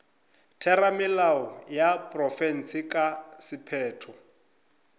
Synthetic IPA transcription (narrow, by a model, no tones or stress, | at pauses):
tʰɛramɪlaɔjapʼrɔfɛn̩sɪkʼasɪpʰɛːtʰɔ